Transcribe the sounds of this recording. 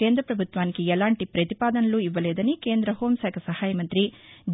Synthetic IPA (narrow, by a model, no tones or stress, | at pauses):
eːnd̪ɾɐpɾɐbʱut̪ʋaːnkijɛlaːɳʈipɾɐt̪ipaːd̪ɐnɐlːuiʋːɐleːd̪ɐnikeːnd̪ɾɐɦoːmsaːkʰɐsɐhaːjɐmɐnt̪ɾid͡ʒ